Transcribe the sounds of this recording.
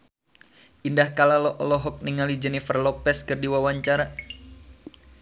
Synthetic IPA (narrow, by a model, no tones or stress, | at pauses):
ʔindahkalalɔʔɔlɔɦɔk̚niŋalid͡ʒənifərlɔpɛskərdiwawaɲt͡ʃaɾa